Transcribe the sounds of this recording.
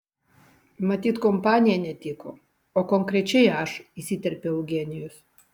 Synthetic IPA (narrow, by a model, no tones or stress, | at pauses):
mat̪ʲit̪kompanʲienʲɛt̪iko | okoŋkɾet͡ʃejaʃisit̪ɛrpʲɛuɡenʲius